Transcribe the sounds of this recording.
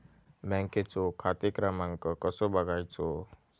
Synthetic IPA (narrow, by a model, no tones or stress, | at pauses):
bɛ̃ŋket͡sokʰat̪ekɾamãŋkəkəsobəɡʱajt͡so